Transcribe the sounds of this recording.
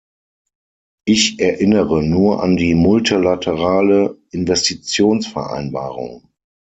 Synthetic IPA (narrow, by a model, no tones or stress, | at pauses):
ʔɪçʔɛɐʔɪnəʁənuːɐʔa̰ndiːmʊltʰilatʰəʁaːləʔɪnvɛstit͡sjoːnsfɛɐʔa̰ɪnba̰ːʁʊ̰ŋ